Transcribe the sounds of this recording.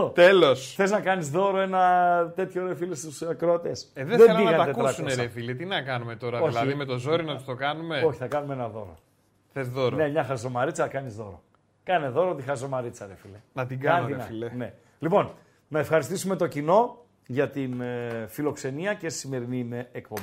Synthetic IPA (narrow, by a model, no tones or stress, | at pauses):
t̪elo̞sθe̞znɐkɐnizðo̞ɾo̞e̞nɐt̪e̞t̪ço̞ɾefilest̪usɐkɾo̞t̪eseðeðeeinɐɣɐnt̪ɐt̪ekuɾɐsuneɾefilet̪inɐkɐnume̞t̪o̞ɾɐðoilɐimet̪o̞zo̞ɾinɐt̪u̥st̪o̞kɐnume̞o̞çi̥θɐkɐnumeenɐðo̞̰ɾo̰ | θezðoɾone̞mɲɐxɐzo̞mɐɾit͡sɐkɐnizðo̞̰ɾo̞̰ | kɐne̞ðo̞ɾot̪ixɐzo̞mɐɾit͡sɐɾefilenɐt̪iɡɐɐniɾenɐfilene̞ | lipo̞n | nɐefxɐɾist̪isume̞t̪ocino̞ | ʝɐt̪infilo̞kse̞niɐcessime̞ɾinimeːk̚pombi